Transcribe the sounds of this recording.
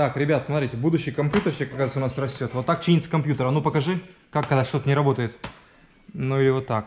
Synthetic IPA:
t̪akɾʲɪbʲat̪smɐt̪ɾʲitʲɪbud̪ʊɕːɪjkɐmpʲjut̪ərsʲekɐkːat̪səʊnasrɐsʲtʲo̞t̪vo̞t̪ːak̚t͡ɕinʲɪt̪səkɐmpʲjut̪əɾənupəkɐʐɨkakːɐɡd̪aʂt̪o̞t̪ənʲɪɾɐbo̞t̪əjɪt̪ | nuilʲɪvo̞t̪ːak

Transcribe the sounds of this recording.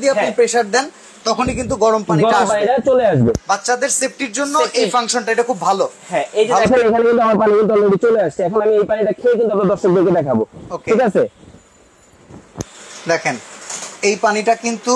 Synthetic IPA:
d̪ieapipɾeʃaɾd̪ɛn | t̪ɔkʰonik̬int̪̬uɡɔɾompaniɔɾaʃaniat͡ɕoleaʃbebat̪ːɕad̪eɾsep̚ʈiɾd͡ʑonːoʔejfaŋʃonʈaejʈakʰubbʱalo | ɦɛed͡ʑakʰanekʰanekint̪uamaɾpanikint̪uɔnːoɖit͡ɕoleaʃt͡ɕʰiɛkʰonamiejpaniʈakʰekint̪uamɾad̪ɔɾʃok̚d̪eɾked̪ɛkʰabookeikat͡ɕʰe | d̪ɛkʰenejpaniʈakint̪u

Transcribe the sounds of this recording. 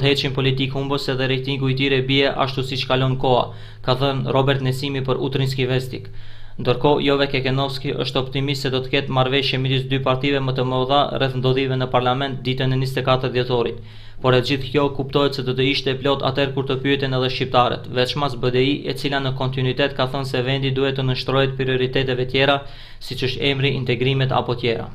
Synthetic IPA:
ɦɛtʃinpɔlit̪ikhumbəsɛðɛɾɛjt̪iŋɡuit̪iɾɛbiɛʔa̰ʃt̪usit͡ʃkalɔnkɔa̰ | kaθənrɔbɛɾt̪nɛsimipəɾṵt̪ɾins̬kivɛst̪ik | nd̪əɾkɔjɔvɛkɛkɛnɔfskiʔə̰ʃt̪ɔpt̪imist̪sɛd̪ɔt̪ə̥kɛt̪maɾvɛʃjɛmɛd̪isd̪ypaɾt̪ivɛmət̪əmɔðarɛθnd̪ɔðivɛnəpaɾlamɛnt̪̚d̪it̪ɛnənist̪ɛkat̪əɾd̪jɛt̪ɔɾit̪ | pɔɾɛt̪d͡ʑiθkjɔkupt̪ɔɦɛt̪sɛd̪ɔt̪əiʃt̪ɛplɔt̪a̰t̪ɛɾkuɾt̪əpyɛt̪ɛnɛðɛʃt͡ɕip̚t̪aɾɛ̰t̪vɛt̪t͡ʃmasbəd̪ɛiʔɛ̰t͡silanəkɔnt̪inuit̪ɛt̪kaθənsɛvɛnd̪id̪uhɛt̪ənəʃt̪ɾɔjɛt̪̚pɾiɔɾit̪ɛt̪ɛvɛt̪jɛɾa | sit͡ʃəʃt̪ɛmɾiint̪ɛɡɾimɛt̪a̰pɔt̪jɛɾa̰

